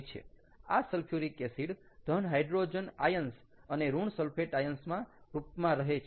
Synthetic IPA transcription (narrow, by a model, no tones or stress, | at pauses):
t͡ʃʰḛ | asəlpʰjuɾikesiɽ | d̪̥ʱənɦajɖɾod͡ʒənajəns | əneɾuɳsəlpʰeʈajənsmãɾupmãɾəɦet͡ʃʰ